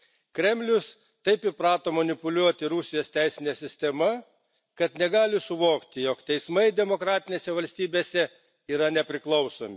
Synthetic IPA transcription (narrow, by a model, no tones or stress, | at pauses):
kɾʲɛmʲlʲʊs | t̪ɐɪpɪpɾɑːt̪oːmɐnʲɪpʊlʲuɔt̪ʲɪɾʊsʲɪjoːst̪ʲæɪsʲɪnʲeːsʲɪsʲt̪ʲɛmɐ | kɐt̪nʲɛɡɑːlʲɪsʊʋoːkt̪ʲɪjoːkt̪ʲɛɪsmɐɪd̪ʲɛmoːkɾɑːt̪ʲɪnʲeːsʲɛʋɐlʲsʲt̪ʲiːbʲeːsʲɛ | iːɾɐnʲɛpʲɾʲɪklˠɐʊsoːmʲɪ